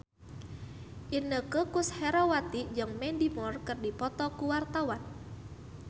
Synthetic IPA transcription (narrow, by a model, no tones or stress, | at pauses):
ʔinəkəkʊshɛɾɔwat̪id͡ʒəŋmɛndimɔrkɨrdipɔt̪ɔkuwart̪awan